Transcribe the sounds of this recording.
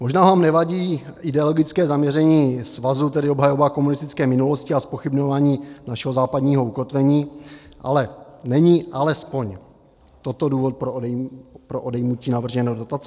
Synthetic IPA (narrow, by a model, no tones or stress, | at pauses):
mo̞ʒnaːvaːmnɛvaɟiːɪdɛolo̞ɡɪt͡skɛːzamɲɛɾɛɲiːsvazut̪ɛdɪobɦajo̞vaːko̞munɪst̪ɪ̥t͡skɛːmɪnulo̞scɪaspo̞xɪbɲo̞vaːɲiːnaʃɛɦozaːpadɲiːɦo̞uko̞t̪vɛɲiːʔa̰lɛnɛɲiʔalɛspo̞ɲ | t̪o̞t̪o̞duːvo̞t̪̚pɾopɾoʔodɛjmuciːnavr̩ʒɛnowdot̪at͡sɛ